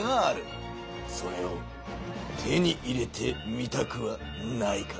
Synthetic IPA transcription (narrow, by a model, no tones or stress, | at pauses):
aːɾe | so̞ɾe̞o | t̪ʰe̞ɲ̟iʔiɾe̞t̪ʰe̞mit̪akɯβa | naika